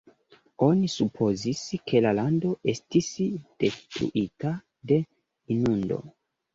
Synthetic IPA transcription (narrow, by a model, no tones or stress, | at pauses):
o̞nisupʰo̞ziskʰe̞lalando̞ʔe̞stisd̥e̞stɾṵʔita | de̞ | inundo̞̰